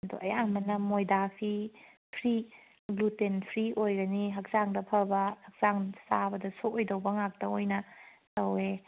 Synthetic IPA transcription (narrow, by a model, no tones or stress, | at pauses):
do̰ʔɐjaŋmɐnːɐmojdapʰi | pʰɾi | ɡlutenpʰɾiojɡɐniɦɐk̚zaŋdɐpʰɐbɐhɐk̚z̥aŋsabɐdɐsoojdɐwbɐŋak̚tɐojnɐtɐwe